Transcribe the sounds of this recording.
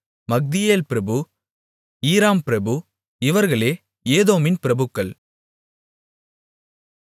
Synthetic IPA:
mɐɡ̚d̪ɪjeːlpɪɾɐbɯ | iːɾaːmpɪɾɐbɯ | ɪʋɐɾɣɐɭeː | eːðoːmɪnpɪɾɐbɯkːɐɭ

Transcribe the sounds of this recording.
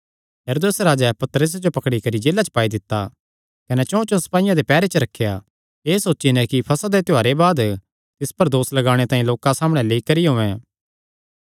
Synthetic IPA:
jɐɾoːd̪esɾaːd͡ʒɛpɐt̪əɾəs̬d͡ʒopɐkɽikɐɾid͡ʒeːlat͡ʃə̥paːid̪ɪt̪ːa | kɐnɛt͡ʃõt͡ʃõsɐ̥paːɪjãd̪epɛːɾet͡ʃəɾɐkʰːja̰ | eːsoːʃinɛ̃kipʰɐsad̪et̪ɪaːɾebaːd̪ | t̪ɪspɐɾd̪oːslɐɡaːɽ̃et̪aːĩloːkãsaːmɽ̃ɛ̃leːikɐɾiɦõːɛ̃ː

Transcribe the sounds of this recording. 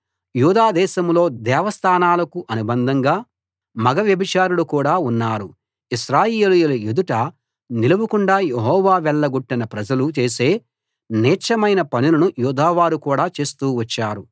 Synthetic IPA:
juːd̪aːd̪ɛːʃɐmlo̞ːd̪ɛːʋɐst̪ʰaːnaːlɐkuʔɐnubɐnd̪ʱɐŋɡaː | mɐɡɐʋjɐbit͡ʃaːɾuɽukuːɽaːunːaːɾu | iʃɾaːjeːlujulɐjud̪uʈɐ | nilɐbukuɳɖaːjeɦɔːʋaːʋɛɭːɐɡuʈːinɐpɾɐd͡ʒɐlut͡ʃe̞ːse̞ː | nɛːt͡ʃɐmɐjnɐpɐnilɐnujuːd̪aːʋaːɾukuːɽaːt͡ʃe̞ːst̪uːʋɐt͡ʃːaːɾu

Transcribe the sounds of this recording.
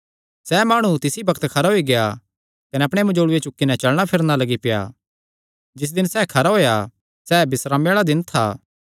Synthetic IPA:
sɛːmaːɽ̃ut̪ɪsibɐkt̪kʰɐɾaɦoiɡeja | kɐnɛɐpɽ̃emɐd͡ʒoːɽʊet͡ʃʊkːinɛt͡ʃɐɭɽ̃apʰɪɾnalɐɡipɪja̰ː | d͡ʒɪs̬d̪ɪnsɛːkʰɐɾaɦoːja | sɛːbɪsɾaːmjaːɭad̪ɪnt̪ʰa̰ː

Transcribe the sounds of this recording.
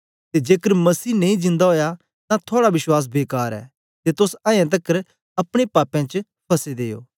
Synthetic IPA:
t̪ed͡ʒeːkəɾmɐsiːnẽĩd͡ʒɪ̃nd̪aɦoːja | t̪ãt̪ʰoːɽabɪswaːs̬beːkaːɾɛ̰ː | t̪et̪ʊsãːjãt̪̬ɐkːəɾ | ɐpɽ̃epaːpɛ̃t͡ʃ | pʰɐsed̪eːjo̰ː

